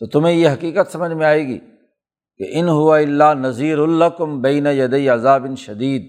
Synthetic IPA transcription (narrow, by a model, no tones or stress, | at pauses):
t̪oːt̪ʊmẽjeɦɐkiːkət̪sɐməd͡ʒmẽaːeːɡḭː | kḛʔɪnɦʊʋaɪlːaːnɐziːɾʊlɐkʊmbɐːnajɐd̪eiɐzaːbɪnʃɐd̪iːd̪̚